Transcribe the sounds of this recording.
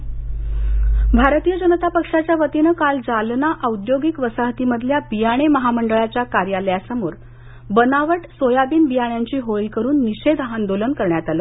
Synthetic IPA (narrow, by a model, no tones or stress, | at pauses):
bʱaɾt̪ijəd͡ʑənət̪apəkʂat͡ɕjaʋət̪inəkald͡zalnaʔəud̪joɡikʋəsaɦt̪iməd̪ʱljabijaɽ̃eməɦaməɳɖəɭat͡ɕjakaɾjaləjasəmoːɾ | bənaʋəʈsojabiːnbijaɳ̃jaɲt͡ɕiːɦoɭikəɾuːnːiɕed̪ɦand̪olənkəɾɳjat̪alə